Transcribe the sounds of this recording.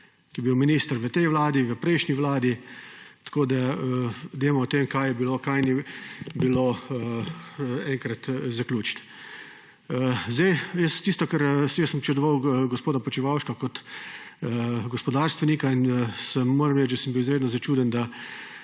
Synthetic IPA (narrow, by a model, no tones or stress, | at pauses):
kijɛbiwminiːst̪ɾʋət̪ɛjʋlaːd̪iʋəpɾɛɪʃniʋlaːd̪it̪ḁkoːd̪aəd̪eːmɔːt̪emkajɛbilokajnibiloə | ɛŋkɾɐt̪zaklʲuːt͡ʃt̪ | zd̪ajjəst̪ist̪ɔkaɾjəsːəmpt͡ʃɛd̪ɔʋawɡɔspoːd̪apɔt͡ʃiʋawʃkakɔt̪ː | ɡɔspɔd̪aːɾst̪ʋɛnikainsɛmːoːɾɐmɾɛd̪asəmbiwɪzɾeːd̪nɔzat͡ʃuːd̪ənd̪a